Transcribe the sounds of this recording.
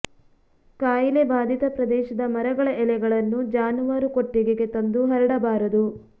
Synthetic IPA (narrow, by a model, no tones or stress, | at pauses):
kaːjilebaːd̪ʱit̪ɐpɾɐd̪ɛːʃɐd̪ɐmɐɾɐɡɐɭɐʔɛlɛɡɐɭɐnːud͡ʒaːnuʋaːɾukoʈːiɡeɡe̞t̪ɐnd̪uɦɐɾɐɽɐbaːɾɐd̪u